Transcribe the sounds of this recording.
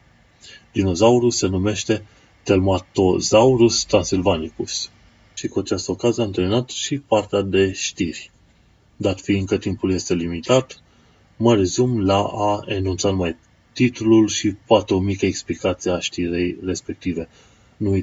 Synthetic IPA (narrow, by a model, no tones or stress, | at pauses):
d̪̥ino̞zauɾuse̞nume̞ʃt̪e̞ | t̪e̞lmat̪o̞zauɾust̪ɾansilvanikus | ʃikuat͡ʃast̪əokaziəamt̪eminat̪ʃipart̪ead̪e̞ʃt̪irʲ | d̪at̪fiɨnkət̪impulje̞st̪e̞limit̪at̪ | məɾe̞zumlaaenunt̪sanumaj | t̪it̪ululʃipat̪ɾumikəeksplikat̪siaʃt̪iɾejre̞spe̞k̚t̪ive̞ | nu